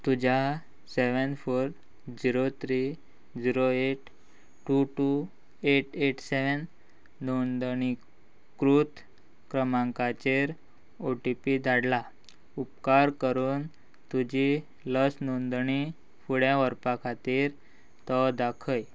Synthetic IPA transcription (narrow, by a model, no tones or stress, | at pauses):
t̪ud͡ʑa | seʋənfoɾ | d͡ʑiɾot̪ʰɾi | d͡ʑiɾoeʈ | ʈːuʈu | eʈeʈseʋənː | ond̪ɳi | kɾut̪ | kɾəmãŋkat͡ɕeɾ | oʈipid̪aɽla | upkaɾkəɾuːn | t̪ud͡ʑi | ləsnond̪ɳi | fuɽẽʋəɾpakʰat̪iːɾ | t̪əd̪akʰəj